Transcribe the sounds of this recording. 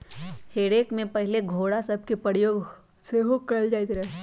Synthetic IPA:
heːɽeːkmẽpɐɦleɡʱoːɽasɐb̚ʱkepɾəɽjoːɡ | seɦokɐld͡ʒaːit̪ɾɛː

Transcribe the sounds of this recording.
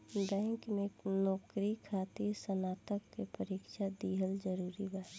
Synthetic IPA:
bɛ̃ɪŋkmẽnɔːkɾikʰaːt̪iɾsənaːt̪əkːepəɾiːkʃad̪iːɦəld͡ʒəɾuːɾibaː

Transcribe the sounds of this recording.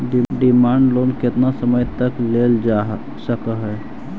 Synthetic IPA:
ɖiɖimaɳɖlonket̪nasəməjt̪əkleld͡ʒa | səkəɦɛ

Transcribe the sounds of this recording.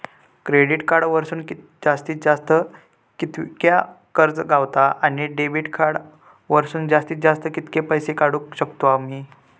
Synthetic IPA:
kɾeɽiʈkaɾɽʋəɾsuːnk | d͡zast̪iːt̪̚d͡zast̪ə | kit̪kja | kəɾd͡zɡawt̪aʔañiɖebiʈkʰaɽ | ʋəɾsuːnd͡zast̪iːt̪̚d͡zast̪əkit̪kepəjsekaɽukɕəkt̪oamiː

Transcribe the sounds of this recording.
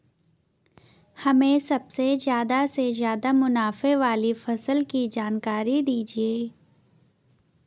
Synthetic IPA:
hɐmẽsɐbsezjaːd̪asezjaːd̪amʊnaːfeʋaːlifɐsəlkid͡ʒaːnkaːɾid̪iːd͡ʒieː

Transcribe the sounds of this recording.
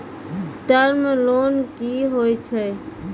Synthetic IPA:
ʈəɾmelonkiɦojt͡ʃʰɛ

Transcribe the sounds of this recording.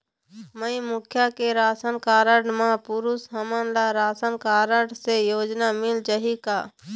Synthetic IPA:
məĩmʊkʰjakeɾaːsənkaːɾəɖmãpʊɾʊsɦəmənlaɾaːsənkaːɾəɖsejoːd͡ʒnamɪld͡ʒəɦikaː

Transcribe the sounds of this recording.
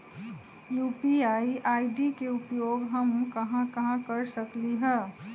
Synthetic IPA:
juːpiaːiʔaːiɖikeʊpjoːɡɦɐmkɐɦãkɐɦãkɐɾsəkliɦɛː

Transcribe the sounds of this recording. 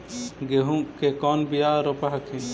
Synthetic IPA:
ɡeɦũʔkekɔnbijaʔɾɔpaɦakʰɛ̃

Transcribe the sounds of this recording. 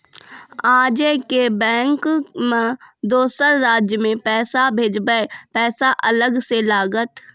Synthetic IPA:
aːd͡ʒekebɛ̃ːŋkmẽd̪oːsəɾːaːd͡ʒjəmẽpɛːsabʱeːd͡ʒbəepɛːsaʔɐləɡselaːɡət̪

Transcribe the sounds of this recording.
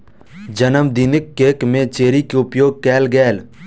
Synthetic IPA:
d͡ʒənəmd̪iːnɪkːeːkmẽt͡ʃeːɾikeʊpjoːɡ̚kɛːlɡɛːl

